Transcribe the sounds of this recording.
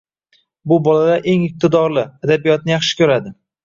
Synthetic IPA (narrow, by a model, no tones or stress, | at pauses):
bʊbɒlad̪aʔe̞ŋɪp̚t̪ɪd̪ɒɾlˠɪad̪abijɒt̪̚nɪjɑχʃɪ̥kʲʰɵɾad̪ɪ